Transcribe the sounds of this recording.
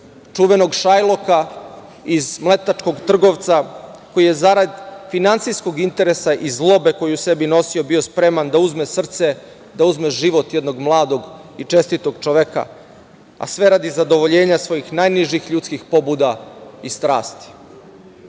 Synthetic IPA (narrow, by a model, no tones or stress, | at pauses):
t͡ʂuʋe̞noɡʃajlˠo̞ka | izmlˠe̞t̪at͡ʃko̞ɡt̪r̩ɡo̞ʋt̪sako̞jije̞zaɾad̪finant̪sijsko̞ɡint̪e̞ɾesaʔizlˠo̞be̞ko̞jiuse̞bino̞siobio̞spɾe̞mand̪auzmesr̩t̪se | d̪auzmeʒiʋo̞t̪jed̪no̞ɡmlˠaːd̪o̞ɡit͡ʃe̞st̪it̪oɡt͡ʃoʋeka̰ | a̰sʋe̞ɾad̪izad̪o̞ʋo̞ʎe̞ːɲasʋo̞jixnajniʒixʎut̪skixpo̞bud̪aist̪ɾa̰ːst̪i̥